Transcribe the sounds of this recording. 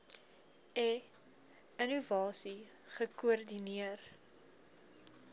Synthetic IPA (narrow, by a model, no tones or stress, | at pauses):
ɛ | ənuvɑːsi | χəkuərdiniər